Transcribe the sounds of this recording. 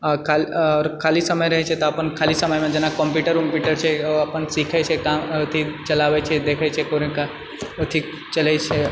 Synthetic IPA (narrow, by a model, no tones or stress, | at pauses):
ɔɾkʰalɔːɾkʰaːlisəməjɾɐɦɛt͡ʃʰɛt̪ɔəpənkʰaːlisəməjmẽd͡ʒenakɔ̃mpuːʈəɾkɔ̃mpjuʈəɾt͡ʃʰeoəpənsiːkʰɛt͡ʃʰekãt̪ʰit͡ʃɐlaːʋɛt͡ʃʰɛd̪eːkʰɛt͡ʃʰɛkoɾeka | ʊt̪ʰi | t͡ʃɐlɛt͡ʃʰe